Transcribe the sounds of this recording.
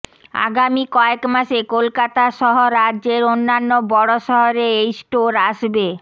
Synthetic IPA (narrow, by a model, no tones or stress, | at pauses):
a̰ɡamikɔekmaʃekolkat̪aʃɔɦoɾadʑeɾonːanːobɔɽoʃɔɦoɾeejsʈoɾaʃbe